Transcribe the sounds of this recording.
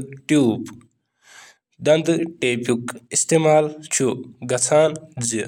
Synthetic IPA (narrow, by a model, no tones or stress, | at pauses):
ʈjuːb | d̪ɐnd̪ʈeːpukist̪eːmaːlt͡ʃʰuɡɐt͡sʰaːnzi